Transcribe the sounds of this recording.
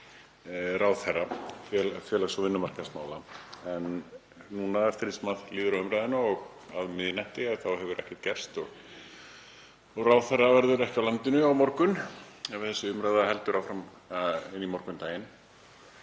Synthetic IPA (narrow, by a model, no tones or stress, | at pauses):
rawθɛrːafjɛlafjɛlasɔvɪnːʏmar̥kasmaːwlaɛnː | unaɛft̪ɪɾɪsmaðliːðʏɾawʏmɾajðɪnʏɔɣaðmɪðjnɛht̪ɪaðθawɦɛvʏɾʔɛhcɛɾ̥t̪̚cɛr̥st̪ɔɣ | ɔɣraːwðθɛrːavɛɾðʏɾɛhcɪawlant̪ɪnʏawmɔɾkʏnɛvɪðθɛsːʏʏmɾajðahɛlt̪ʏɾawfɾam | ɪnːimɔɾkʏnt̪aːjɪn